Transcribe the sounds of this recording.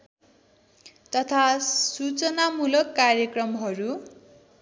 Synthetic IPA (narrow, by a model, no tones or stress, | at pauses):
t̪ʌt̪ʰasut͡sʌnamulʌkːarjʌkrʌmɦʌɾu